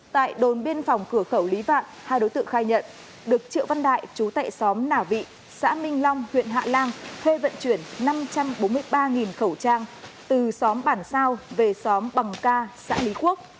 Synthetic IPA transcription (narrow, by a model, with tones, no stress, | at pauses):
t̪a̰ː˧˨jɗo˨˩nɓi˧ənfɔ˨˩wŋ͡mkɨ˧˩əxə˧˩wli˨˦va̰ː˧˨nhaː˧jɗo˨˦jt̪ɨ̰˧˨ə˨ŋxaː˧jɲə̰˧˨n | ɗɨ˨˩ək̚t͡ɕɨ̰˧˨əwva˧nɗa̰ː˧˨jt͡ɕu˨˦t̪a̰ː˧˨jsɔ˨˦mnaː˧˩vḭ˧˨ | sa̰ː˧˥mï˧ŋ̟lɔ˧wŋ͡mhwḭ˧˨ənɦa̰ː˧˨laː˧ŋt̪ʰwe˧və̰˧˨nt͡ɕwi˧˩ənːa˧mt͡ɕa˧mɓo˨˦nmɨ˧əjɓaː˧ŋi˨˩nxə˧˩wt͡ɕaː˧ŋt̪ɨ˨˩sɔ˨˦mɓaː˧˩nsaː˧wve˨˩sɔ˨˦mɓa˨˩ŋkaː˧sa̰ː˧˥li˨˦ku˦˥ək̚